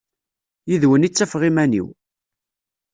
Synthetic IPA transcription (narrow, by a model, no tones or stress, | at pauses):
jiðwənit͡sːæfʁimænḭw